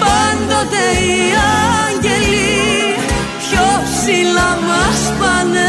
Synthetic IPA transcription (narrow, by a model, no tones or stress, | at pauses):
pɐnd̪ot̪eiɐɲɟeli | pçopsilɐmɐspɐn